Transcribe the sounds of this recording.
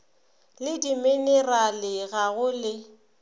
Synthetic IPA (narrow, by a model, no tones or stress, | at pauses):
lɪdimɪnɛralɪɣaɣʊlɪ